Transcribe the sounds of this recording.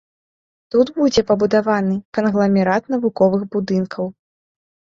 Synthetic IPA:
t̪ud̪bud͡zʲɛpɐbud̪avanɨkɐnɣlˠɐmʲɛɾat̪nɐvukɔvɨɣbud̪ɨnkʰɐw

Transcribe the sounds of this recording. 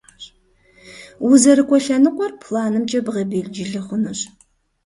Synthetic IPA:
wʊzɐɾɨkʷʼɔɬɐnɨqʷʼɔrpʰlaːnɨmt͡ʃʼɐbɨʁɐbeːɮd͡ʒɪɮɨχʷʊnɨɕ

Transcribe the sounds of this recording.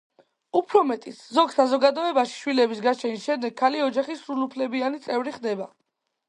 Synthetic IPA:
upʰɾɔmɛt̪ʼit̪sʰzɔɡsazɔɡad̪ɔɛbaʃi̥ʃwilɛbisɡat͡ʃʰɛnisʃɛmd̪ɛɡʰːaliɔd͡ʒaχisɾulupʰlɛbianit̪sʼɛvɾiχd̪ɛba

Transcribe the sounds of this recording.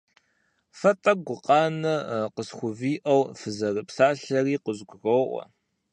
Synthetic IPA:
fɐtʼɐɡʷʊqʼɑːnɐqəsxʷʊviːʔɐwfɨzɐrɨpsaːɬɐriːqəzɡʷʊɣowʔʷɔ̰

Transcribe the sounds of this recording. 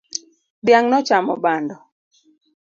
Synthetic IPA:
bjaŋnɔt͡ʃamɔ̰bandɔ

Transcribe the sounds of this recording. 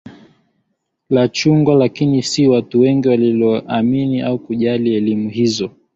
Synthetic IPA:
lat͡ʃuŋɡwalakinisiwatuwɛŋɡiwalilɔʔaminiaukuʄaliɛlimuhizɔ

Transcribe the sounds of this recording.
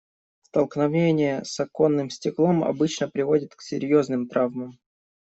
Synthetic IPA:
st̪əlˠknɐvʲenʲɪjəsɐko̞nːɨmsʲtʲɪklˠo̞mɐ̰bɨt͡ɕnəpɾʲɪvo̞dʲɪt̪ksʲɪ̰ɾʲjo̞znɨmt̪ɾavməm

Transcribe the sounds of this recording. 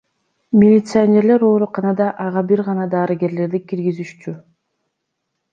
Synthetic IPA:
mʲɪlʲɪt̪sɨanʲe̞ɾle̞ɾo̞ːɾuqɑnɑd̪ɑʔɑʁɑbiɾʁɑnɑd̪ɑːɾiɡʲe̞ɾle̞ɾd̪ikiɾɡizyʃt͡ʃy

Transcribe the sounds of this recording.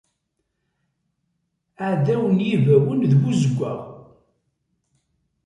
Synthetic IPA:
aðæwənjivæwənðɡuzəɡʷːæ̰

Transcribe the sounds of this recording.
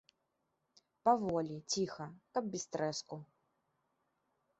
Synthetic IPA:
pavɔlʲit͡sʲixɐkɐb̚bʲist̪ɾɛsku

